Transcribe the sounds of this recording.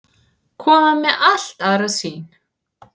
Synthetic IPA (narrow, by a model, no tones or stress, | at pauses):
kʰɔːmamɛʔal̥t̪aðɾasiːn